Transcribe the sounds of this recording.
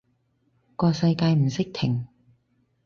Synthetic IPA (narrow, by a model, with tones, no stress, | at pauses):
kɔː˧sɐ˧jkaː˧jm̩˨˩sɪ˥k̚t̪ʰɪ˨˩ŋ